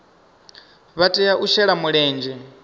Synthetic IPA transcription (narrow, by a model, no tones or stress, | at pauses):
βatʼɛjaʔuʃɛɺamuɺɛːnd͡ʒɛ